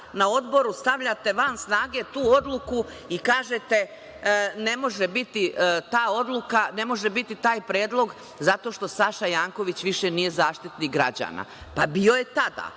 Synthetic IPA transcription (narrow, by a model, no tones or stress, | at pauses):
nao̞d̪bo̞ɾust̪aʋʎat̪e̞ʋansnaːɡe̞t̪uːo̞d̪lˠuku | ikaːʒet̪e̞ | ne̞mo̞ʒebit̪it̪aːo̞d̪lˠukane̞mo̞ʒebit̪it̪aːjpɾeːd̪lˠo̞ɡ | zat̪o̞ːʃt̪o̞saʃajaːŋko̞ʋit͡ɕʋiʃenije̞zaːʃt̪it̪niɡɾad͡ʑa̰ːna̰pabio̞je̞t̪ad̪a̰